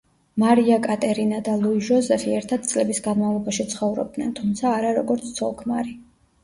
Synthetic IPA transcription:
maɾiakʼat̪ʼɛɾinad̪alˠuiʒɔzɛfiɛɾt̪ʰad̪̥̚t̪sʼlɛbisɡanmavlˠɔbaʃit̪sʰχɔvɾɔ̰b̚d̪nɛ̰nt̪ʰumt̪sʰaːɾaɾɔɡɔɾt̪sʰt̪sʰɔlˠkʰma̰ɾi

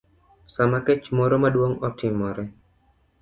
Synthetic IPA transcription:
samakɛt͡ʃmoɾomaduɔŋɔt̪ʰimɔɾe

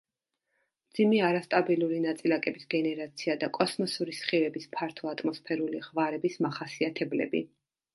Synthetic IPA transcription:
md̪zimɛaɾast̪ʼabilˠuɾinat̪sʼilakʼɛbisɡɛnɛɾat̪sʰiad̪akʼɔsmɔsuɾisχiɾɛbispʰaɾt̪ʰɔat̪ʼmɔspʰɛɾuliʁvaɾɛbismaχasiat̪ʰɛblɛ̰bḭ

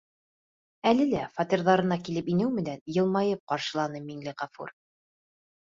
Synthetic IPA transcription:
ælɘlæfɑt̪ʲirðɑɾɤ̆nɑkilɘpinɘwmɘ̆nænjɤ̆lˠmɑjɤp̚qɑɾʃɤ̆lˠɑnɤmiŋlɘʁɑfṵɾ

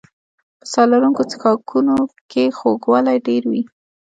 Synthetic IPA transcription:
pə̥sɑlaɾuŋkot͡sɪ̥xɑkʰunokexoɡwalajɖeɾwi

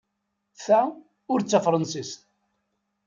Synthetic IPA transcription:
θæ | ʊɾt͡sːafɾˤɑnsist̪

